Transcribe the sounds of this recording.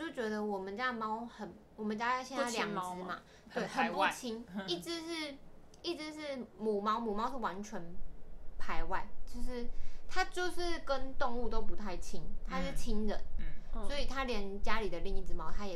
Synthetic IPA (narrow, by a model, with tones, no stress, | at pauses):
t͡ɕjo˥˩t͡ɕɥɛ˧˥d̪ə˧wɔ˨˩mə˦nt͡ɕja˥˧mɑ˦ʊhə˨˩n | wɔ˨˩mə˨˦nt͡ɕja˦˥a˥˧ɕjɛ˥˧n˥˧a˥˧lja˨˩ŋt͡sɹ̩˧˦ma˨ | t̪we˥˩ɪxə˨˩npu˥˩t͡ɕʰi˧˥ŋi˥˩ʈ͡ʂɻ̩˧˦ʂɻ̩˥˩ | i˥˩ʈ͡ʂɻ̩˧˦ʂɻ̩˥˩mu˨˩mɑ˧˥ʊmu˨˩mɑ˥ʊʂ̩˥˩wa˧˦nt͡ɕʰɥɛ˧˦npʰa˧˥ɪwa˥˩ɪt͡ɕjo˥˧ʊʂɻ̩˥˩t̪ʰa˥t͡ɕjo˥˧ʊʂɻ̩˥˩kə˦˥nt̪o˥˧ŋu˥˧t̪o˦ʊpu˧˥t̪ʰa˥˩ɪt͡ɕʰi˦ŋt̪ʰa˥ʂɻ̩˥˩t͡ɕʰi˦ŋɻə̰˨˦nswɔ˧˦˥i˨˩t̪ʰa˦ljɛ˧˦nt͡ɕja˦li˨˩d̪ə˨li˥˧ŋi˥˩t͡sɹ̩˧mɑ˧˥ʊt̪ʰa˦jɛ˨˩